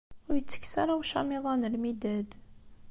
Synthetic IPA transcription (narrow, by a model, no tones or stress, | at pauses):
ʊɾjət͡sːə̥kːsaɾˤawʃɑmeðˤɑnəlmid̪æd̪